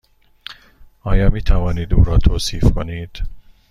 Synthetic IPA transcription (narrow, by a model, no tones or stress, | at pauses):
ɒːjɒːmiːt̪ʰævɒːniːd̪ṵːɾɒːt̪ʰoːsiːfkʰoniːd̪̥